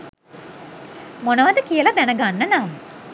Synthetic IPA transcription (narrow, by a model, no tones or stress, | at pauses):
monəʋad̪əkijəlad̪ænəɡanːənamə